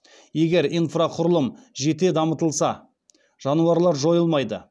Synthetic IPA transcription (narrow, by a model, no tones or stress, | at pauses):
je̞ɡʲe̞ɾijnfraqʰʊɾəlˠəmʒe̞t̪e̞d̪ɑmət̪əlˠsɑ | ʒ̥ɑnuɑɾlˠɑɾʒo̞jəlˠmɑjd̪ə̰